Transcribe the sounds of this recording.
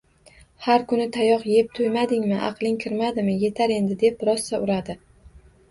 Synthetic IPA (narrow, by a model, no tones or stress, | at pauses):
haɾkʰʊnɪt̪ʰajɒqje̞p̚t̪ʰʊjmad̪ɪŋmɪʔɑ̰qlˠɪŋkʲʰɪɾmad̪ɪmɪje̞t̪ʰaɾe̞nd̪ɪd̪e̞p̚ɾɒsːaʊɾad̪ɪ